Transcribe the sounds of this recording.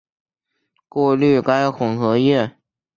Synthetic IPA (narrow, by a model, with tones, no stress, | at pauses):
kwɔ˥˧ly˥˩ka˥ɪxʊ˨˩ŋxɤ˧˥jɛ˥˩